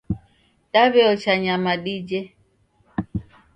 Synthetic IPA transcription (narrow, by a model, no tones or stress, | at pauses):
ɗaβɛɔt͡ʃaɲamaɗid͡ʒɛ